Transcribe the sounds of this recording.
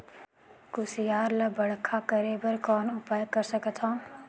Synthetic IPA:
kʊsijaːɾləbəɽ̤kʰakəɾebəɾkɔːnʊpaːjkəɾsəkət̪ʰɦɔ̃ː

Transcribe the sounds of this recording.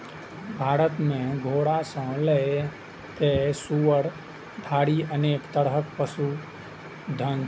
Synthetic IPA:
bʱaːɾət̪mẽɡʱoːɽasə̃le | t̪esuʋəɽ | b̪ʱaːɽiəneːkt̪əɽɦək̚pəsu | d̪ʱən

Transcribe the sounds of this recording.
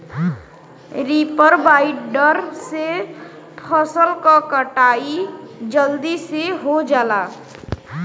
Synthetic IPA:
ɾipəɾbaiɖɖəɾse | pʰəsəlkakəʈaid͡ʒəld̪iseɦod͡ʒala

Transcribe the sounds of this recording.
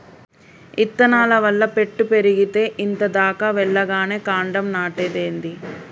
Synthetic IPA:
it̪ːɐnaːlɐʋɐlːɐpe̞ʈːupe̞ɾiɡit̪e̞ːʔint̪ɐd̪aːkaːʋɛɭːɐɡaːne̞ːkaːɳɖɐmnaːʈed̪eːnd̪i

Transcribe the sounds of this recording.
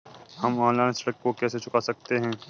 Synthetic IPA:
hɐmãːlaːnsəɽəkːokɛːset͡ʃʊkasɐk̚t̪eɦɛ̃ː

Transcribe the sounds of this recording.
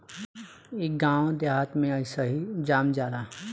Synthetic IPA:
eːk̚ɡãːwd̪aɦət̪mẽəɪsaɦid͡ʒaːmd͡ʒaːɾa

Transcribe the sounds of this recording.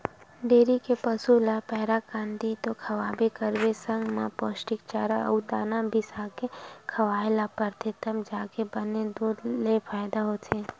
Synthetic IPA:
ɖeɾikepəsulapɛɦɾakãnd̪it̪okʰəʋabekəɾʋesəŋɡmã̰posʈik̚t͡ʃaɾaə̰wt̪anabʱisakekʰəʋaelapəɾt̪ʰet̪əmd͡ʒakebəned̪ud̪lefʰajd̪aɦot͡ʃʰe

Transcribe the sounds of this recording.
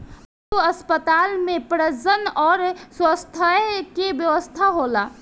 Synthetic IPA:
uəspət̪aːlmẽpɾəd͡ʒənɔːɾswəst̪ʰəkebjəʋəst̪ʰaɦola

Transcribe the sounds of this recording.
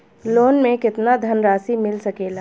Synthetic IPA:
loːnmẽkɪt̪nad̪ʱɐnɾaːsimɪlsɐkeːlaː

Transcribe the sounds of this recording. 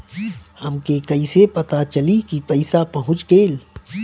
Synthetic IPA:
hɐmkekɐisepɐt̪at͡ʃɐlikipəɪsapɐɦʊ̃t͡ʃɡeːl

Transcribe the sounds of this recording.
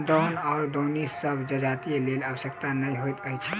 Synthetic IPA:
d̪ɔnaɾd̪onissəbʱd͡ʒəd͡ʒat̪ielelabəsjəkt̪anəjɦojt̪əjt͡ʃʰə

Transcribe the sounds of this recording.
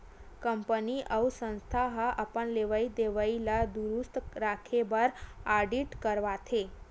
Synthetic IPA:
kəmpəniʔəwsə̃nst̪ʰaɦaʔəpəɳleʋaid̪eʋailad̪uɾust̪ɾakʰebəɾaɖiʈkəɾʋat̪ʰe

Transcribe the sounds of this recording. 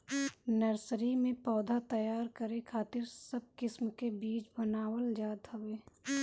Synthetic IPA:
nəɾsɾimẽpɔːd̪ʱat̪əjaːɾkəɾekʰaːt̪ɪɾsəb̚kɪsmkebiːt͡ʃbənaːwəld͡ʒaːd̪ɦoʋeː

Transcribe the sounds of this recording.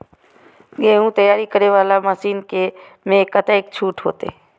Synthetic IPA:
ɡeːɦũːt̪əjaːɾikəɾeːʋaːlaməsiːnke | mẽkːət̪aeːk̚t͡ʃʰuːʈɦo̰ːt̪ḛː

